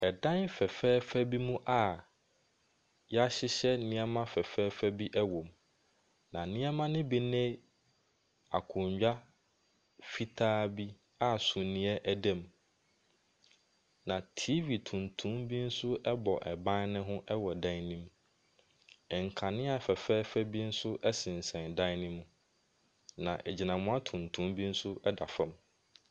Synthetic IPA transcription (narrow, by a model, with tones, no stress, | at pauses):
ɛ˨dã˦nfɛ˨fɛː˦fæ˦bi˦mũ˦ʔa˨ | jɛ˦a˦ɕɪ˦ɕɛ˦nɪ̃˦a˦mã˦fɛ˨fɛː˦fæ˦bi˦ʔɛ˦wõ˨m | nã˨nɪ̃˦a˦mã˦nɪ̃˦bi˨nẽ˦ | a̰˨kʰʊ̃˨ɲd͡ʑᶣa˦ | fi˦tʰaː˦bi˦ | a˨sũ˨nĩ˨˦ɛ˦ʔæ˦dɛ̃˦˨m | nã˨tʰi˦vi˨tʰũ˨ntʰũ˦mbi˦n̩˦sʊ˦ʔɛ˦bɔ˨ʔɛ˨bã˦nnɪ̃˦ɦʊ̃˦ʔɛ˦wɔ˨dã˦nĩ˦m˨ | ŋ̩˨kʰa˨nɪ̃˦a˨fɛ˨fɛ˦fɛ˦bi˦n̩˦sʊ˦ʔɛ˦sɪ̃˨n˨sɛ̃˨ndã˦nĩ˦mũ˨ | nã˨ʔɛ˨d͡ʑi˨nã˨mʊ̃˦a˦tʰũ˨ntʰũ˦mbi˦n̩˦sʊ˦ɛ˦da˨fɛ̃˨m